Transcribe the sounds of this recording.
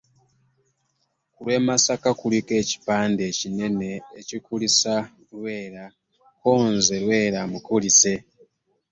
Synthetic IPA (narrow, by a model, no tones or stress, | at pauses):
kulwe̞ːmasakakulike̞ːci̥paːnde̞ːcine̞ne̞ːcikulisa | lwe̞ːɾa | koːnzelwe̞ːɾamukulise̞